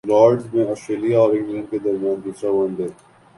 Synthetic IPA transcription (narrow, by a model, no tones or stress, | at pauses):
lɔːɾɖzmẽɔːsʈɾeːlijaɔːɾɪ̃ŋɡlə̃ɳɖ̚ked̪ɐɾmjaːnkisaʋə̃nd̪eː